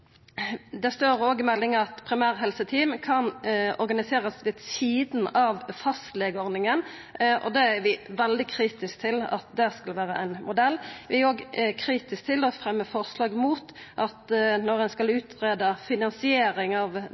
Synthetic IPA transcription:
d̪ɛst̪oːɾoːɡɪmɛlːɪŋəɑt̪pʰɾɪmæːʁɦɛlsət̪ʰiːmkʰɑnɔɾɡɑnɪseːʁəsʋeːd̪siːd̪n̩ɑʋfɑst̪leːɡəɔɾnɪŋən | ʔɔ̰d̪ɛæɾʋɪʋɛld̪ɪkʰɾiːt̪ɪsk̚t̪ʰɪlɑ̰t̪̚d̪ɛskɑlʋæːɾə̰ʔæɪnmʊd̪ɛlːʋɪoːɡkʰɾiːt̪ɪsk̚t̪ʰɪlɔfɾɛmːəfɔʁslɑːɡmuːt̪ʔɑt̪nɔʁɛnskɑlʉːt̪ʰʁeːd̪ɑfɪnɑnsɪeːɾɪŋɑʋ

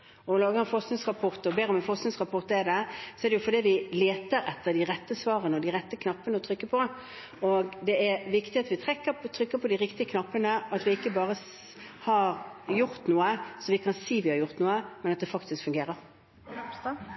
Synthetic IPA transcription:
ɔlɑːɡəɾɛnfɔʁsknɪŋsʁɑpʰɔʁt̪ɔbeːɾɔmɛfɔsknɪŋsʁɑpʰɔʁt̪ɛd̪ɛsɔɛɾd̪ɛjʊfɔɾd̪iːd̪ɪleːt̪əɾɛt̪ːəɾd̪ɪɾɛt̪ːəsʋɑːʁənəɔd̪ɪʁɛt̪ːəkʰnɑpːənəɔt̪ʰɾʏkːəpʰɔ | ɔɡd̪ɛæɾʋɪkt̪ɪɑt̪ʋɪt̪ʰɾɛkːəɾt̪ʰɾʏkːəpʰɔd̪ɪɾɪkt̪ɪəkʰnɑpːənəɑt̪ʋɪɪkːəbɑːɾə | hɑɾjʊɾt̪nuːəsɔmʋɪkʰɑnsiːʋɪhɑɾjʊʁt̪nuːəmɛnɑt̪̚d̪ɛfɑkt̪ɪskfʉŋɡeːɾəɾ

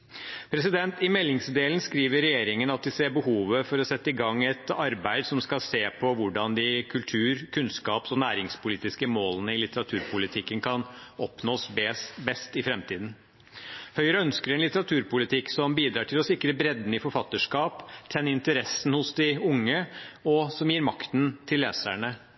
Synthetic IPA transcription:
pʰɾɛsɪd̪ɛnt̪ɪmɛlːɪŋsd̪eːlnskɾiːʋəɾɾɛjeːɾɪŋənɑt̪̚d̪ɪseːɾbəhuːʋəfɔɾɔsɛt̪ːəɪɡɑŋːɛt̪ɑɾbæɪd̪sɔmskɑseːpʰɔʋʊɖɑnd̪ɪkʰʉlt̪ʰʉːɾkʰʉnskɑːpsɔnæːɾɪŋspʊliːt̪ɪskəmoːlənəɪlɪt̪əɾɑt̪ʰʉːɾpʰʊlɪt̪ʰɪkːənkʰɑnɔpnoːssbɛst̪ɪfɾɛmt̪ʰiːd̪n̩ | hœʏɾəœnskəɾɛnlɪt̪əɾɑt̪ʰʉːɾpʊlɪt̪ʰɪksɔmbiːd̪ɾɑːʈʰɪlɔsɪkɾəbɾɛd̪n̩ɪfɔɾfɑt̪ːəʂkɑːpt̪ʰɛnːəɪnt̪əɾɛsːn̩hʊsd̪ɪʊŋːəɔsɔmjiːɾmɑkt̪nt̪ʰɪlːeːsæɳə

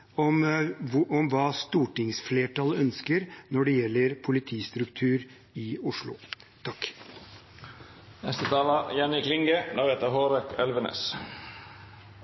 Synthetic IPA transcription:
ɔm | ɔmʋɑːst̪uːʈɪŋsfleːʈʰɑlœnskəɾnɔɖɛjɛlːəɾpʰʊlɪt̪ʰiːst̪ɾʉkt̪ʰʉːɾ | ɪʊʂɭʊ̰ | t̪ʰɑk | nɛst̪ət̪ʰɑːlɑjɛnɪkʰlɪŋɡəd̪ɑːɾheːt̪əɾɦoːɾɛkʰœlʋənḛs

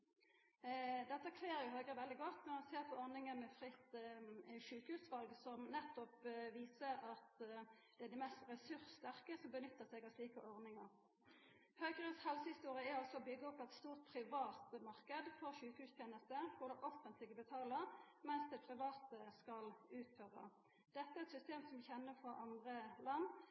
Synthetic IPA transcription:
d̪ɛt̪ːəkʰʋeːʁjʊɦœɡɾəʋɛld̪ɪɡɔt̪ːnɔʁmɑnseːʁpʰɔɔʁnɪŋənmɛfʁɪt̪ | ʃʉːkhʉːsʋɑlɡsɔmnɛt̪ːɔpʋiːsəɾɑt̪ | d̪̥ɛæd̪ɪmɛst̪ʁɛsʉɾst̪æʁkəsɔmbənʏt̪ːəsɛɡɑsliːkəʔɔʁnɪŋəʁ | høːɡəʁəshɛlsəhɪst̪uːʁɪjəæɑlsɔːbʏɡːəɔpːɛɪt̪st̪uːʁt̪̚pʰɾɪʋɑːt̪mɑʁkəd̪fɔʁʃʉːkhʉːst̪ʰjeːnəst̪əkʰʊd̪əʔɔfənt̪ʰlɪɡəbət̪ʰɑːləʁ | mɛnsd̪ɛːpʰʁɪʋɑːt̪əskɑlʉːt̪føːʁə̰ | d̪̥ɛt̪ːəæʁɛt̪sʏst̪eːmsɔmçɛnːəfɔʔɑnd̪ʁəlɑnː

